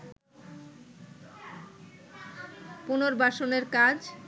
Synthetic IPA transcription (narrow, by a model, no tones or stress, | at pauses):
punoɾbaʃoneɾkad͡ʑ